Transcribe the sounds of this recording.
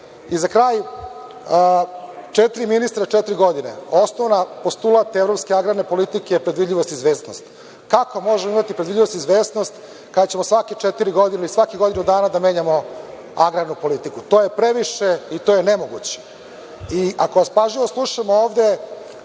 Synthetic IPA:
izakɾaːj | t͡ʂet̪ɾiminist̪ɾat͡ʃet̪ɾiɡo̞d̪ine̞̰o̞snoʋnapost̪ulˠat̪evɾo̞pskeaɡɾaɾne̞po̞lit̪ikejepɾed̪ʋid̪ʎʲiʋost̪izʋe̞ːsno̞̰st̪ | kakomo̞ʒemoimat̪ipɾed̪vid̪ʎʲiʋo̞st̪izʋeːst̪no̞st̪ | kad̪at͡ɕemosʋaket͡ʂet̪iɾiɡo̞d̪ineisʋakiɡo̞d̪inud̪aːnad̪ameːɲamo̞ | aɡɾaɾnupo̞lit̪ikut̪o̞ːjepɾeʋiʃeit̪ojenemo̞ɡṵt͡ɕe̥ | iʔako̞ʋaspaʒiʋo̞slˠuʃamooːʋd̪e̞

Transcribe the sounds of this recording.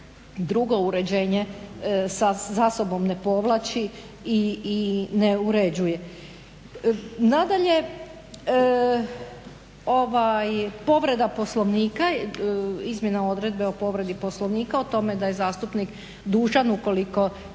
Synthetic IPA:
d̪ɾuɡo̞uɾe̞d͡ʑe̞ːɲesazaso̞bo̞mne̞po̞ʋlˠat͡ɕi | iː | neuɾe̞d͡ʑuje̞ | nad̪aʎe̞ | oʋajpo̞ʋɾe̞d̪apo̞slˠoʋniːka | izmje̞nao̞d̪ɾe̞d̪̚be̞opo̞ʋɾe̞d̪iposlo̞ʋniːkaot̪o̞me̞d̪aje̞zaːst̪upnik | d̪uːʒanuko̞liko̞

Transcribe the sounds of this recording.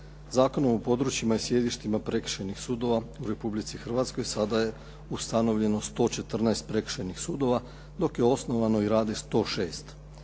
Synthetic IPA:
zaːko̞no̞mopo̞d̪ɾut͡ʃimaisje̞d̪iʃt̪imapɾe̞kʃenixsuːd̪o̞ʋauɾe̞publit̪sixr̩ʋat̪sko̞jsad̪aje̞ | ust̪ano̞ʋʎe̞no̞st̪o̞ːt͡ʃe̞t̪r̩naest̪̚pɾe̞kr̥ʃenixsuːd̪o̞ʋa | d̪o̞kje̞o̞sno̞ʋano̞iɾaːd̪est̪o̞ːʃe̞ːst̪

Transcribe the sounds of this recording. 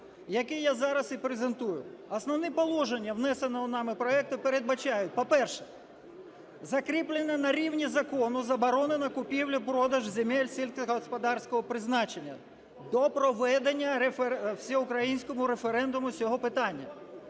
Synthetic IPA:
jɐkɛjazɑɾɐsipɾezent̪ujʊɐsnɔwnipɔlˠɔʒenʲːɐwnɛsenɔɦɔnɑmɪpɾɔɛk̚t̪ʊpeɾe̞d̪̚bɐt͡ʃɑjʊt̚ʲpɔpɛrʃɛ | zɐkɾʲiplʲˠenɛnɐɾʲiwnʲizɐkɔnʊzɐbɔɾɔnenɐkʊpʲiwlʲʊpɾɔd̪ɐʒzʲemɛlʲsʲilʲkɦɔspɐd̪ɑrsʲkɔɦɔpɾɪznɑt͡ʃe̞nʲːɐ̰ | d̪ɔpɾɔʋɛd̪enʲːɐɾefewsʲɛʊkɾɐjinʲsʲkɔmʊɾefeɾɛnd̪ʊmʊsʲɔɦɔpɪt̪ɑnʲːɐ̰

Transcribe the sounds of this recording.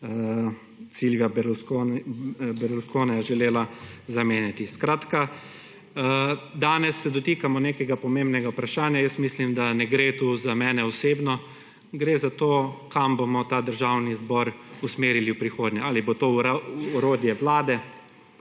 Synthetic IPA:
ə | t̪silʋabɾsko | bɛɾuskoːnɛjɛʒɛleːlazameːnjat̪iskɾaːt̪ka | d̪aːnɛsːɛd̪ɔt̪iːkamɔneːkɛɡapɔmembnɛɡaupɾaʃaːnjajəst̪mislimd̪anɛɡɾeːt̪uːzamɛːnɛɔseːbnɔ | ɡɾeːzat̪oːkambomɔt̪aːd̪əɾʒawnizbɔɾusmeːɾiliwpɾixoːd̪ɲɛaːlibot̪oːɔɾoːd̪jɛʋlaːd̪ɛ

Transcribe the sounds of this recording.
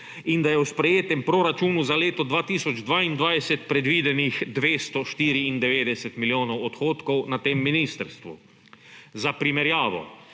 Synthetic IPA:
ind̪ajɛwspɾɛjeːt̪ɛmpɾoɾat͡ʃuːnuzaleːt̪ɔd̪ʋaːt̪iːsɔd͡ʒd̪ʋaːind̪ʋajsɛt̪pɾɛd̪ʋiːd̪ɛnixd̪ʋeːst̪ɔʃt̪iːɾiind̪ɛʋeːd̪ɛsɛt̪miljoːnɔwɔt̪xoːt̪kɔwnat̪eːmːiniːst̪əɾst̪ʋṵ | zapɾimɛɾjaːʋɔ̰

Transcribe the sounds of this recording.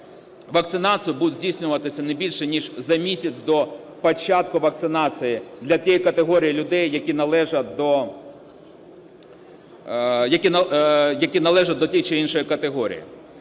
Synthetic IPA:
ʋɐk̚t̪sɪnɑt͡s̪ʲijʊbud̪ʊt̪ʲzʲdʲijsʲnʲʊʋɐt̪ɪsʲɐnebʲilʲʃɛnʲiʒzɐmʲisʲɐt͡sʲd̪ɔ | pɔt͡ʃɑt̪kʊʋɐk̚t̪sɪnɑt͡s̪ʲɨjɪd̪lʲɐt̪ʲijikɐt̪eɦɔɾʲijilʲʊd̪ɛjːɐkʲinɐlˠɛʒɐd̪ɔ | jɐkʲinjɐkʲinɐlˠɛʒɐt̪̚ʲd̪ɔtʲijt͡ʃɪinʃɔjɪkɐt̪eɦɔɾʲḭjḭ

